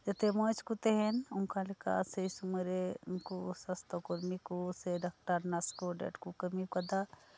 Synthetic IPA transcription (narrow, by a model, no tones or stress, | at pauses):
d͡ʒɐt̪emõːt͡ʃkut̪eɦenʊŋkalika̰seisumɐɾenkusɐst̪okoɾmikuseɖɐk̚ʈaɾnɐskoɖḛːʈkukɐmikɐd̪a